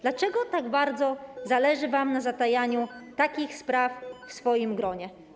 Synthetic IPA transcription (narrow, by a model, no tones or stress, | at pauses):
d̪̥lat͡ʂɛɡɔt̪aɡbaɾd̪zɔzalɛʐɘvamnazat̪ajaɲut̪akʲixspɾaffsfɔjimɡɾɔɲɛ